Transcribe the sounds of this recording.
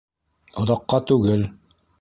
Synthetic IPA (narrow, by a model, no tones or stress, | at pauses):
ŏðɑqːɑt̪ʉɡɘl